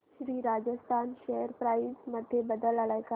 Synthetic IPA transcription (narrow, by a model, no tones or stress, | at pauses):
ɾiːɾad͡ʑəst̪ʰanɕeɦəɾpɾaisməd̪ʱːjebəd̪əlalajka